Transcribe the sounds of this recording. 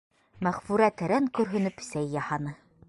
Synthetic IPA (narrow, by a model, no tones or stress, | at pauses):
mæʁfʉɾæt̪æɾæŋkɵ̆ɾɦɵ̆nɘpsæjːɑhɑnɤ